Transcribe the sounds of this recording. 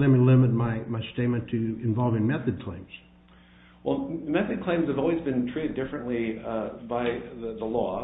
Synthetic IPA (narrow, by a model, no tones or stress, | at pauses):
ðɨ̃mɨlɪ̃mɨt̚maɪmaɪsteɪt̚mɨ̃ntʰɨɨ̃ɱvɑlˠvɪ̃ŋmɛθɨd̚kʰl̥ẽɪ̃mz̥ | wɛlˠmɛθɨd̚kʰl̥ẽɪ̃mz̥ɨvɔlˠwizbɨ̃ntʰɹ̥iɾɨdɪfɹɨ̃nʔlibaɪððəlɔ